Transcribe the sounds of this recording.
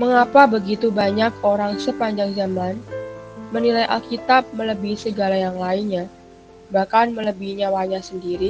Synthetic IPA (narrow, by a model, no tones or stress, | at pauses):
məŋapabəɡit̪ubaɲak̚oɾaŋsəpaɲd͡ʒaŋzaman | mənilajʔa̰lkit̪ap̚mələbisəɡalajaŋlaɪnɲa | bahkanmələbihɲawaɲasəndiɾi